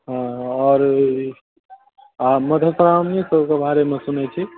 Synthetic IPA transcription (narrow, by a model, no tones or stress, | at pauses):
ɦãɔːɾ | aməd̪ʱəsɾamnesəbʱkebʱaɾemesunɛt͡ʃʰi